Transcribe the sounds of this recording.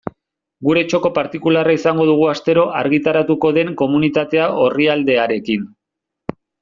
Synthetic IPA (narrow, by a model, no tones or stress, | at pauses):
ɡuɾe̞t͡ʃo̞ko̞paɾt̪ikularaisaŋɡo̞ð̞uɣ̞uast̪e̞ɾo̞ʔaɾɣit̪aɾat̪uko̞ðe̞ŋko̞munit̪at̪e̞aʔo̞riald̪e̞aɾe̞kin